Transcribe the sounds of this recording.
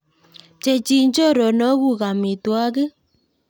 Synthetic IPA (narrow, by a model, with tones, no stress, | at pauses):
t͡ʃe˨t͡ʃi˨ɲd͡ʒo˦ɾɔ˨nɔ˦ɣu˦ɣa˨mi˨twa˦ɣe˦